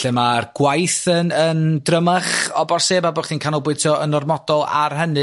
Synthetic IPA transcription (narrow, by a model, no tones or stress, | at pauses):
ɬɛmarɡ̥wajθənəndrəmaχɔbɔrseːbabɔχdiːnkʰanɔbwɪɨ̥tʰiɔʔənɔrmɔdɔlˠa̰rɦənɨ